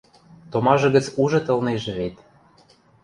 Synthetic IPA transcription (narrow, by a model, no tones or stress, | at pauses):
t̪omɑʒɤ̆ɣə̆t͡suʒɤ̆t̪ɤ̆lneʒĕβet̪